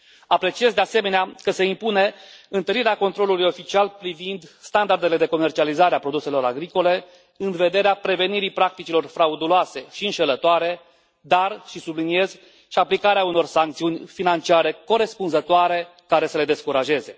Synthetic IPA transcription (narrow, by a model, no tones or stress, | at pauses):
apɾe̞t͡ʃiezd̪ease̞me̞neakəse̞impune̞ɨnt̪əɾiɾeako̞nt̪ɾo̞lulujo̞fit͡ʃialpɾivind̪st̪and̪ard̪e̞le̞d̪e̞ko̞me̞rt͡ʃializaɾeapɾo̞d̪use̞lo̞ɾa̰ɡɾiko̞le̞ | ɨnve̞d̪e̞ɾeapɾe̞ve̞niɾipɾak̚t̪it͡ʃilo̞rfɾaud̪uloase̞ʃiɨnʃe̞lət̪oaɾe̞ | d̪arʃisublinie̞z | ʃiaplikaɾeauno̞rsaŋkt̪siunʲfinant͡ʃiaɾe̞ko̞ɾe̞spunzət̪oaɾe̞ | kaɾe̞səle̞d̪e̞skuɾaʒe̞ze̞